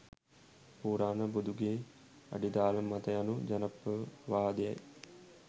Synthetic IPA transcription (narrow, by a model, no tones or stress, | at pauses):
puːɾaːnəbud̪uɡeː | a̰ɖid̪aːləmat̪əjanud͡ʒanəpːəʋaːd̪eja̰j